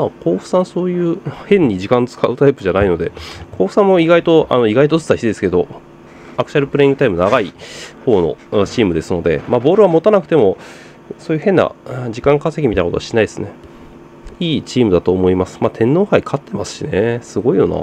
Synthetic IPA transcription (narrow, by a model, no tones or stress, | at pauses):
makʰo̞ːɸɯ̟̥sãɰ̃so̞ːjɯ̟ːhẽ̞ɲ̟ːiʑikãnt͡sɨ̥kaɯ̟t̪aipɯ̟ʑanaino̞d̪e̞̰kʰo̞ːɸɯ̟sãmːoiɡait̪oʔa̰no̞iɡait̪ot͡sɨ̥saçiid̪e̞sɨ̥ke̞d̪o̞̰ | akɯ̟t͡ɕaɾɯ̟pɯɾe̞ĩŋɡɯ̟t̪aimɯ̟naɡaiho̞ːno̞̰t͡ɕiːmɯ̟d̪e̞sɨno̞d̪e̞̰maːbo̞ːɾɯ̟βamo̞t̪anakɯ̟t̪e̞mo̞ | soːjɯ̟henːa̰d͡ʑikãŋkasek̬ʲimit̪ainːakot̪o̰aɕi̥naid̪esɨne̞ | iːt͡ɕiːmɯ̟d̪at̪oːmo̞imasɨ̥maːt̪ʰẽ̞nːo̞ːhaikʰat̪ʰːe̞masɨ̥ɕinesɨɡo̞ijo̞̰na̰